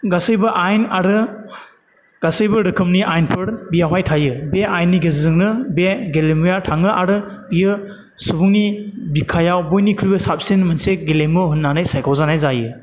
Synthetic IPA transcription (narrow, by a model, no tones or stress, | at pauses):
ɡasɯjbɐʔajnaɾɯ | ɡ̥asɯjbɯɾɯkʰɯmniʔajnpʰɯɾbijawɦajtʰajɯbeajnːiɡezɯzɯŋnɯbeɡelemujatʰaŋɯʔaɾɯ | bijɯ | subuŋnibikʰajawbojnikʰɾijbɯsap̚senmɯnseɡelemɯɦunːanajsajkʰɔwzanajzajɯ